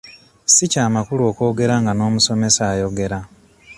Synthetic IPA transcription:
sicaːmakulo̞ːko̞ːɡe̞ɾaŋɡano̞ːmuso̞me̞saːjo̞ɡe̞ɾa

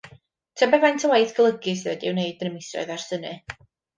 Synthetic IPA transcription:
tʰɛbɛantʰəwajθɡəlˠəɡɨs̬iðɛdɪwneɨdənəmɪsrɔ̰ɨðarsənɨ

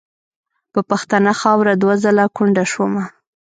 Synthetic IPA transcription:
pəpaxt̪ɑnaxɑwɾad̪wazalakʊɳɖaʃwoma

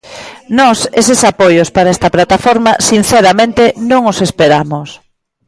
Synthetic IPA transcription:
nɔsesesapojospaɾaest̪ɐplat̪afɔɾmasin̟θeɾamẽnt̪enõŋosespeɾamos

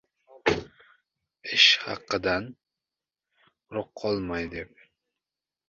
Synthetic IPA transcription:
ɪʃhɑ̰qːɨd̪an | ɾoqʰːɒlˠmɑjd̪ep̚

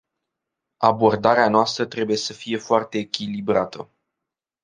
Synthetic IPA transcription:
abo̞rd̪aɾeanoast̪ɾət̪ɾe̞buje̞səfije̞foart̪e̞ːkʲilibɾat̪ə̰

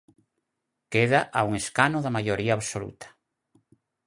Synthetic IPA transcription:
keðaʔauŋeskanoðamajoɾiaːβsolṵt̪ḁ

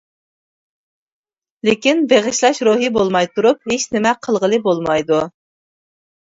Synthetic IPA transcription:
lɪkʲinbeʁɨʃlˠɑʃɾuɦibolˠmɑjt̪uɾup̚het͡ʃnɪmɛqʰəlˠʁəlˠɨbolˠmɑjd̪u

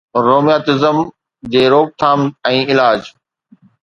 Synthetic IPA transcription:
ɾoːmijaːt̪ɪzəm | d͡ʑeːɾoːk̚t̪ʰaːmɛ̃ːɪlaːd͡ʑ

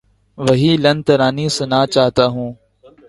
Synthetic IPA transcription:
ʋɐɦiːlɐnt̪əɾaːnisɪnaːt͡ʃaːɦt̪aːɦũː

